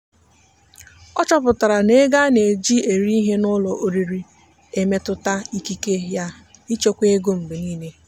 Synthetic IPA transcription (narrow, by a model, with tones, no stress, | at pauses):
ɔ˦t͡ʃɔ˦pʊ˨ta˨ɾa˨ne˦ɡa˦ne˨d͡ʒi˦e˨ɾi˦i˦ɦe˦nʊ˦lɔ˨ʔo˨ɾi˨ɾi˦ | e˨me˦tʊ˦ta˦i˦ki˦ke˦ja˦ | i˦t͡ʃo˦kʷe˦e˦ɡo˦m̩˨be˨niː˦ne˦